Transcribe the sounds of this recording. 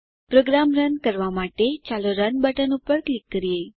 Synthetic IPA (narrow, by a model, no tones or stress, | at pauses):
pɾoɡɾamɾənkəɾʋamaʈet͡ʃaloɾənbəʈənupəɾklikːəɾiəj